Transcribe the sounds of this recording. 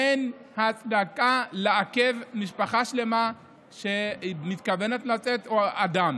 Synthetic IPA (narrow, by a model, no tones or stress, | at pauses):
enhat͡sd̪akaleakevmiʃpaχaʃle̞ma | ʃe̞mit̪kave̞ne̞t̪lat͡setoad̪am